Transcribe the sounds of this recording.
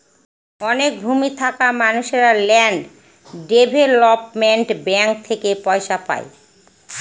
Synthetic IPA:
ɔnek̚bʱumit̪ʰakamanuʃeɾalɛɳɖ | ɖebʱelɔpmeɳʈbɛŋk̚t̪ʰekepɔeʃapa̰e

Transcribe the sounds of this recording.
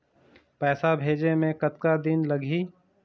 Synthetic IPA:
pɛːsabʱeːd͡ʒemẽkət̪̚kad̪ɪnlɐɡʱiː

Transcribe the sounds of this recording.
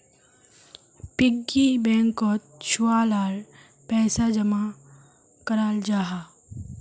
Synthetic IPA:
pɪɡːibɛ̃ːŋkoːt̪̚t͡ʃʰʊwaːlaːɾ | pɛːsad͡ʒɐma | kɐɾaːld͡ʒaːɦaː

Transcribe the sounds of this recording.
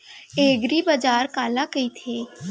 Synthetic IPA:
eːɡɾibad͡ʒaːɾkaːlakəit̪ʰeː

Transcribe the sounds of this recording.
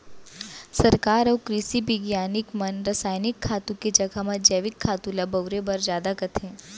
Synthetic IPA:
sɐɾkaːɾɔːkɾɪsibɪɡjaːnɪkmɐnɾɐsaːjnɪkʰːaːt̪ũked͡ʒɐɡʱamɐ̃d͡ʒeːʋɪkʰːaːt̪ũlabɐwɾebɐɾzjaːd̪akɐt̪ʰɦẽː

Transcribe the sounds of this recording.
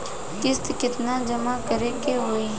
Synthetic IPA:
kɪst̪kɪt̪nãːd͡ʒəmaːkəɾekeɦoːiː

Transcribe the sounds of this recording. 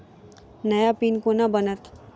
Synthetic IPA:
nəjapiːnkonabənət̪

